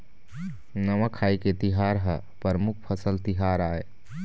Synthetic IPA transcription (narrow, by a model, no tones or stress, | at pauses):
nəmakʰajket̪iɦaɾɦə | pəɾəmuk̚ʰpʰəsəlt̪iɦaɾae